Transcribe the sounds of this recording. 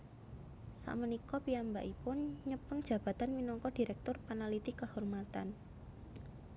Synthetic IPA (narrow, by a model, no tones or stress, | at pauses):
sa̰ʔmənikɔpiambaʔipʊnɲəpəŋ̥d͡ʒ̥ä̤b̥a̤t̪anminɔŋkɔd̥i̤ɾɛk̚t̪ʊrpanalit̪ikəhɔrmat̪an